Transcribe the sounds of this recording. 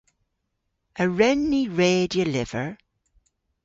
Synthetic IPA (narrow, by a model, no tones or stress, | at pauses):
əɹɛnːiɹeːdjəlɪv̥əɹ